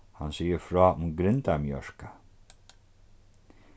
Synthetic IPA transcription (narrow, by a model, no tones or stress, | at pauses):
hansiːjəɾfɾɔːʊmɡɾɪnt̪amjœɹka